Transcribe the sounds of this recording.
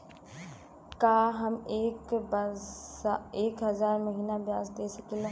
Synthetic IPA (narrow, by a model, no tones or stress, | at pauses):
kaːɦɐmeːkb | eːkɦɐzaːɾmɐɦiːnabjaːsd̪eːsəkelẽ